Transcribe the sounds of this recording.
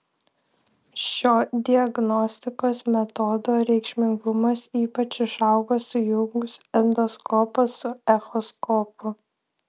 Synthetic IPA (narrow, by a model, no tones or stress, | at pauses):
ʃʲoːd̪ʲɪɐɡnɔsʲt̪ʲɪkoːsmʲɛt̪ɔd̪oːɾʲɛɪkʃʲmʲɪŋɡʊmɐsiːpɐt͡ʃɪʃɑʊɡoːsʊjʊŋɡʊsɛnd̪ɔskɔːpɐsʊɛxɔskɔːpʊ